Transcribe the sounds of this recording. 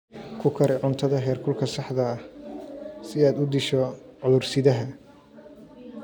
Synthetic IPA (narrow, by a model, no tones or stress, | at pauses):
kʰʊkʰɐɾɪʕʊnt̪ʰɐðɐɦɛːrkʰʊlkʰɐsɑħd̪ɐh | sɪaːd̪ʊd̪ɪʃɔʕʊðʊrsɪðɐɦɐ